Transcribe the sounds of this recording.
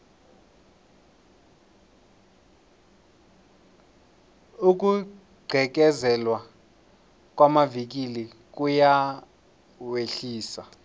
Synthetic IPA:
uk̬ʼu | ɡ͡ǀʱɛk̬ɛzɛlwa | k̬ʼwamavik̬ili | k̬ʼuja | weɬiːsa

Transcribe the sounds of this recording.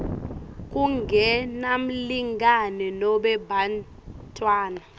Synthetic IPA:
k̬ʼuŋɡʱɛnam̩liŋɡanɛnɔɓɛbʱan | tʼwaːna

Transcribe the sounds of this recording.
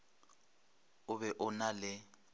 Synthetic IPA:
ʊβɛʔʊnalɪ

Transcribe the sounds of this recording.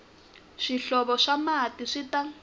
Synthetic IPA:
ʃiɬɔβɔʂamatiʂita

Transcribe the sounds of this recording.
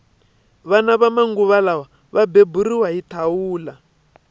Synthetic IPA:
βanaβamaŋɡuβalawa | βabeburiwaɦitʰawuːla

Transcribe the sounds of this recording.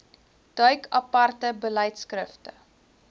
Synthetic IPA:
d̥œɥkʰɐpɐrtəbəlɛjtskrəftə

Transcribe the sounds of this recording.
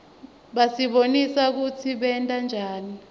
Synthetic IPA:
ɓasiɓonisak̬ut͡sʰiɓɛntʼand͡ʒʱaːni

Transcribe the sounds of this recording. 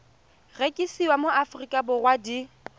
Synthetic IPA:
rekʼisiwamoafrikʼabʊrwadi

